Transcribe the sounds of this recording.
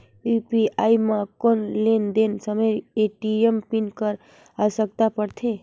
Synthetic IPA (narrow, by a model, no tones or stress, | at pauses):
upiaimãkonlend̪ensəməjeʈiempinkəɾ | asək̚t̪apəɾt̪ʰe